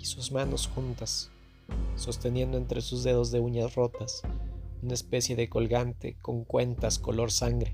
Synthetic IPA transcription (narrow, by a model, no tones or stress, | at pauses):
isuzmano̞sxunt̪asː | o̞st̪e̞nje̞nd̪oe̞nt̪ɾe̞suzðe̞ðo̞zðe̞uɲasro̞t̪asunae̞spe̞sje̞ðe̞ko̞lɣant̪e̞̰ko̞ŋkwe̞nt̪asko̞lo̞ɾsaŋɡɾe̞